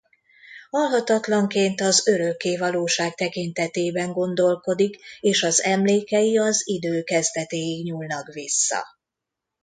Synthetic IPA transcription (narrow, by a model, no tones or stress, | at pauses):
hɒlɦɒt̪ɒt̪lɒŋkeːnt̪ɒzøɾø̞kːeːvɒloːʃaːk̚t̪ɛkint̪ɛt̪eːbɛŋɡo̞nd̪o̞lko̞d̪ikeːʃɒzɛmleːkɛjiɒzid̪øːkɛzd̪ɛt̪eːjiɡɲuːlnɒkvisːɒ̰